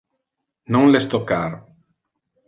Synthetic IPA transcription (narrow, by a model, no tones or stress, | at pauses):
nõŋlest̪okaɾ